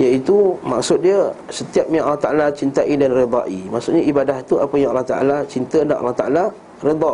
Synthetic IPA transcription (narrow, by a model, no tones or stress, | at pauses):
jait̪uma̰ksʊt̪̚diəsət̪iap̚ɲãʔalaht̪aʔalat͡ʃint̪aʔidanred̪ˤɑ̰ʔimaʔsʊʔ̪ɲaibadaht̪uapəjaŋalɑht̪a̰ʔa̰lat͡ʃint̪ədaʔa̰lːaht̪aʔala | ɾed̪ˤɑ